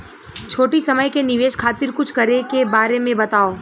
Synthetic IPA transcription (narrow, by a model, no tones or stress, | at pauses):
t͡ʃʰoːʈisɐməjkenɪʋeːʃkʰaːt̪ɪɾkʊt͡ʃʰkɐɾekebaːɾemẽbɐt̪aːoː